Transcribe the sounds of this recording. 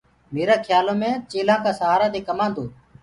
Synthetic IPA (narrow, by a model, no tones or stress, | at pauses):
meːɾaːkʰjaːlõːmẽːt͡ʃeːlãːkaːsəɦaːɾaːd̪eːkəmãːnd̪oː